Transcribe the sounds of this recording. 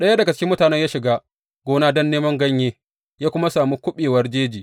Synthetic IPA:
ɗɐ˦ja˦dɐ˨ɡa˨t͡ʃɪ̥˦kʲɪ˦mːʊ˦taː˨nɛ˦ɲjaː˦ʃɪ˨ɡaː˦ | ɡ̥ʷoː˦naː˦dɔ˦nːeː˦mɐ˦ŋɡɐ˦ɲjeː˦ | jaː˦kʷʊ˦ma˦saː˨mu˦kʷʊ˦ɓeː˨wɐ˦rd͡ʒeː˦d͡ʒiː˨

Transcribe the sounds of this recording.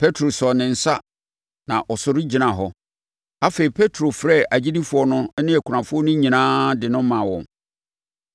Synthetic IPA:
pʰe˦tʰɾo˨sɔ˨nɪ̃˨n̩˨sa˦ | nã˨ʔɔ˨sʊ˨ɾɪ˦d͡ʑi˨nã˨ɦɔ˦ | a˦fe˨i˨pʰe˦tʰɾo˨fɾɛ˦˨a˨d͡ʑi˦di˦fʊ˨ɔ˦nʊ̃˦nɪ̃˦æ˨kʷʰɾã˨fʊ˦ɔ˦nʊ̃˦ɲĩ˨nãː˦dɪ˨nʊ̃˦mã˨wɔ̰̃˨m

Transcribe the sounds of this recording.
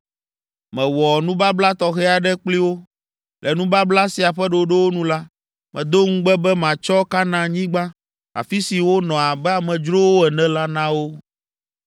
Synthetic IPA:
mɛ̃˨wɔ˨nũ˦ba˦bla˦t̪ɔ˦xɛ˦a˨ɖɛ˦k͡pli˦wo˦ | lʔɛ˨nũ˦ba˦bla˦si˨a˨ɸɛ˦ɖo˨ɖɛ˦wo˦nũ˦la˦ | mɛ̃˨d̪o˦ŋũ˦ɡ͡bɛ˦bɛ˦mã˨t͡ʃɔ˦ka˦nã˦ɲĩ˦ɡ͡ba˦ | a̰˨fi˦si˨wo˦nɔ̃˨a˨bɛ˦a˨mɛ̃˨d͡ʒɾo˦wo˦ɛ˨nɛ̃˦la˦nã˦wo˦

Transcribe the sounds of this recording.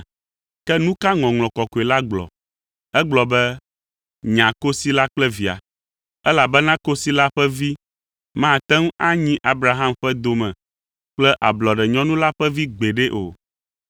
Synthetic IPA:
kɛ˦nũ˦ka˦ŋɔ̃˨ŋlɔ̃˨kɔ˨ko˨e˨la˦ɡ͡blɔ̰˨ | ɛ˦ɡ͡blɔ˨bɛ˦ | ɲã˨ko˦si˦la˦k͡plɛ˦vi˨a̰˨ | ɛ˦la˨bɛ˦nã˦ko˦si˦la˦ɸɛ˦vi˦ | mã˦˨t̪ɛ˦ŋ˦a˦ɲĩ˦ʔa˨bɾa˨ɦã˦mɸɛ˦d̪o˨mɛ̃˨ | k͡plɛ˦ʔa˨blɔ˨ɖɛ˨ɲɔ̃˦nũ˦la˦ɸɛ˦vi˦ɡ͡be˨ɖɛ˦ʔo̰˨

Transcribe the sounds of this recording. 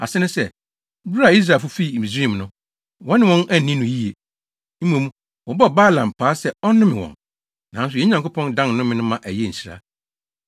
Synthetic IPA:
a̰˨sɛ˦nʊ̃˦sɛ˨ | bɾa˨i˦s̬ɾa˨fʊ˦fi˦˨mĩ˨sĩ˦˨m˨nʊ̃˦ | wɔ̃˦nɪ̃˨wɔ̃˦næ˦˨nĩ˦nʊ̃˨ji˦e˨ | m̩˦mõ˨m̃˦ | wɔ˨bɔ˦˨baː˦˨lã˨m˨pʰaː˨˦sɛ˦ɔ˦nʊ̃˦mɪ̃˨wɔ̰̃˨n | nã˨˦n˦s̬ʊ˨jɛ˦ɲã˨ŋkʰʊ˦pʰɔ̃˦ndã˦nnʊ̃˦mɪ̃˦nʊ̃˦mã˨ʔæ˨jɛ˦˨n̩˨si˨ɾa̰˦

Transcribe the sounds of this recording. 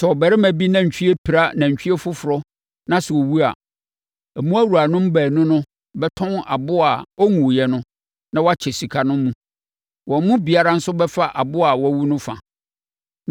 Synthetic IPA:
sɛ˨ɔ˨bɛ˨ɾɪ˦mæ̃˨bi˦nã˦ɲ̩˨t͡ɕᶣi˦e˦pʰi˨ɾa˦nã˨ɲ̩˨t͡ɕᶣi˦ɛ˦fʊ˦fʊ˨ɾɔ˦ | nã˦sɛ˨ɔ˨wu˦a̰˨ | æ˨mũ˦æ˦wu˨ɾa˨nʊ̃˦m˦bæː˨nʊ̃˦nʊ̃˦ | bɛ˦tʰɔ̃˦na̰˨bʊ˦a˨ɔ˦ŋũ˨jɛ˨nʊ̃˦ | nã˦wa˦t͡ɕʰɪ˨si˨kʰa˨nʊ̃˦mũ˦ | wɔ̃˨˦mʊ̃˦bi˨a˦ɾa˦n̩˦sʊ˦bɛ˦fa˦ʔa˨bʊ˦a˨wɔ˨˦˨wu˦nʊ̃˦fã̰˨

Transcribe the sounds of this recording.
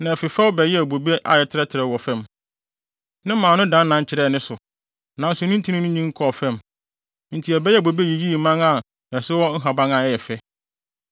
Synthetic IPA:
nã˨ɛ˨fɪ˨fɛ˦wʊ˦bɛ˨jɛ˦˨bo˨bi˦ʔa̰˨jɛ˨tʰɪ˦ɾɛ˦tʰɪ˨ɾɛ˨wɔ˨fɛ̃˦˨m | nɪ̃˦mãː˨nʊ̃˦dã˨˦nː˦ã˨˦ɲ˦t͡ɕʰɪ˨ɾɛː˦˨nɪ̃˦sʊ˨ | nã˨n̩˦sʊ˨nʊ̃˦n̩˦tʰi˦nĩ˦nʊ̃˦ɲĩ˦ŋ̩˦kʰɔ˨fɛ̃˦m | n̩˨tʰi˨ɛ˨bɛ˦jɛ˦˨bo˨be˦ji˨ji˦˨mã˦ŋa˨ | ɛ˨sɪ˦wɔ˦ŋ̩˦ɦa˨bã˦ŋa˨ɛ˨jɛ˨fɛ˦

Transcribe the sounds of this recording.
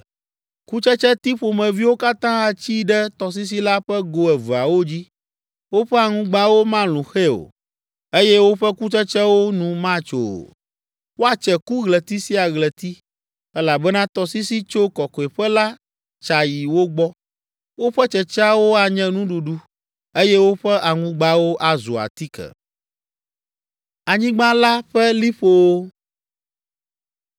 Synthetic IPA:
ku˦t͡ʃɛ˦t͡ʃɛ˦t̪i˦ɸo˨mɛ̃˨vi˦wo˦ka˦t̪ã˦a˨t͡ɕi˦ɖɛ˦t̪ɔ˨s̬i˦s̬i˦la˦ɸɛ˦ɡo˨ɛ˨vu˨a˨wo˦d͡ʑi˦ | wo˦ɸɛ˦a˨ŋũ˦ɡ͡bã˦wo˦mã˦lũ˨xe˦o̰˨ | e˦jɛ˦wo˦ɸɛ˦ku˦t͡ʃɛ˦t͡ʃɛ˦wo˦nũ˨mã˦t͡ʃo̰˨ | wo˦a˨t͡ʃɛ˨ku˦ɣlɛ˨t̪i˦si˦a˨ɣlɛ˨t̪i˦ | ɛ˦la˨bɛ˦nã˦t̪ɔ˨si˦si˦t͡ʃo˦kɔ˨kɔ˨e˨ɸɛ˦la˦ | t͡ʃa˨ji˨wo˦ɡ͡bɔ˦ | wo˦ɸɛ˦t͡ʃɛ˨t͡ʃa˦wo˦a˨ɲɛ̃˦nũ˦ɖu˨ɖu˦ | e˦jɛ˦wo˦ɸɛ˦ʔa˨ŋũ˦ɡ͡ba˦wo˦ʔa˨zṵ˨a̰˨t̪i˦kʰɛ̰˨ | a˨ɲĩ˦ɡ͡bã˦la˦ɸɛ˦li˦ɸo˦˨wo˦

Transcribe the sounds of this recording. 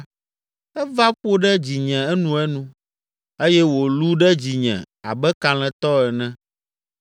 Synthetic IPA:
ɛ˦va˦ɸo˦ɖɛ˦d͡ʑi˨ɲɛ̃˨ɛ˦nũ˨˦ɛ˦nũ˦ | e˦jɛ˦wo˨lu˦ɖɛ˦d͡ʑi˨ɲɛ̰̃˨ | a̰˨bɛ˦ka˨l̃ɛ̃˨t̪ɔ˦ɛ˨nɛ̃˦

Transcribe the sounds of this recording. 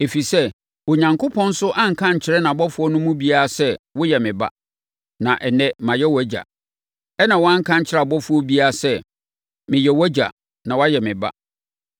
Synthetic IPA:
e˨fi˨sɛ˦ | wo˨ɲã˨ŋkʰʊ˦pʰɔ̃˦n̩˦sʊ˦ʔã˦ŋ̩˨kʰã˦ɲ̩˨t͡ɕʰɪ˨ɾɛ˦nã˨bɔ˦fʊ˨˦ɔ˦nʊ̃˦mũ˦bi˦a˦a˨sɛ˦wʊ˦jɛ˨mɪ̃˨ba̰˦ | nã˨ʔɛ˨nɛ̃˦mã˨jɛ˦wæ˦d͡ʑa̰˨ | ɛ˦nã˨wɔ˦ã˦ŋ̩˦kʰã˦ɲ˦t͡ɕʰɪ˦ɾa˨bɔ˦fʊ˨˦ɔ˦bi˦a˦˨sɛ˦ | mɪ̃˨jɛ˨wɔ˦d͡ʑa̰˨ | nã˨wa˦jɛ˨mɪ̃˨ba̰˦

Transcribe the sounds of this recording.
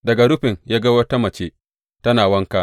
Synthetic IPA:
dɐ˨ɡa˨ɽʊ˦ɸɪ˨ŋjaː˦ɡa˦wɐ˦ta˦mɐ˨t͡ʃeː˦ | tɐ˦naː˨wɐ˦ŋka˦ʔ

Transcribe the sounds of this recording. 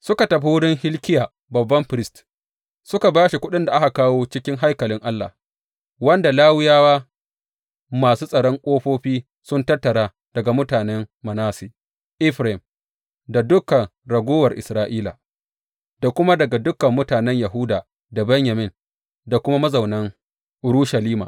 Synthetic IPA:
sʊ˦ka˨tɐ˨ɸi˦wʊ˦ɽɪ˦ŋhɪ˦lkʲɪ˦jaː˨ | bɐ˨bːɐ˦mɸɪ˨ɾɪ˦st | sʊ˦ka˨baː˦ʃi˨kʷʊ˦ɗɪ˦nda˨ʔa˦hka˨kaː˦woː˦t͡ʃɪ˦kʲɪ˦ŋɦa˦jkɐ˨lɪ˦ŋʔa˦lːa̰˨h | wɐ˦nda˨laː˦wʊ˦jaː˦waː˦ | maː˨suː˦sʼɐ˨ɽɔ˦ŋkʷʼoː˦ɸoː˦ɸiː˦ | sʊ˦ntɐ˦rtːɐ˨ɽaː˦ | d̥ɐ˨ɡa˨mʊ˦taː˨nɛ˦ŋmɐ˨naː˦siː˨ | ʔɪ˦ɸɾm | da˨dʊ˦kɐ˨ŋɾɐ˨ɡʷoː˦wɐ˨rʔɪ̰˨sɾaː˦ʔiː˦la̰˨ | da˨kʷʊ˦ma˦dɐ˨ɡa˨dʊ˦kɐ˨mːʊ˦taː˨nɛ˦ɲjɐ˨ɦu˦daː˨ | da˨bɛ˦ɲjɐ˨mɪ˦˨n | da˨kʷʊ˦ma˦mɐ˦zɐ˨wnɐ˦ŋ | ʔʊ˨ɾuː˦ʃɐ˨liː˦ma̰˨

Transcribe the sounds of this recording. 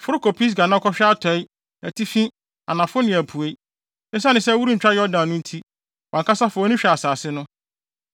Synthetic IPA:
fʊ˦ɾʊ˦kʰo˨pʰi˦s̬ɡa˨nã˦kʰɔ˦ɕᶣa˦tʰɔ˨˦ɪ˦ | æ˨tʰi˦fĩ˦ | a˨nã˨fʊ˦nɪ̃˨æ˨pʰu˨e˦ | ɪ̃˦s̬a˦nɪ̃˨sɛ˦wu˦ɾu˦ɲ̩˨t͡ɕᶣɾa˦jɔ˦dã˨n˨nʊ̃˦n̩˦tʰi˦ | wã˨ŋkʰa˦sa˦fʊ˨ɔ˦nĩ˦ɕᶣɛ˨a˨saː˨sɪ˦nʊ̃˦

